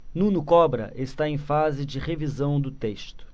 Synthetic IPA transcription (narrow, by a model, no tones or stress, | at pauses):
nũnʊkɔbɾɐ̰ʔest̪aẽj̃fazɪd͡ʒɪʁevizɐ̃w̃d̪ʊt̪est̪ʊ̥